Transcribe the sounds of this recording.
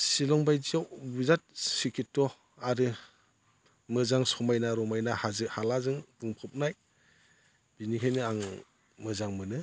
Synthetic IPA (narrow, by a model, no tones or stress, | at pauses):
silɔŋbajd͡ʒiawwizat̚sikʰitːɔ | aɾɯ | mɯzaŋsɔmajnaɾɔmajnahazɯhalazɯŋbuŋpʰɯp̚naj | b̥inikʰajnɯaŋ | mɯzaŋmɯnɯ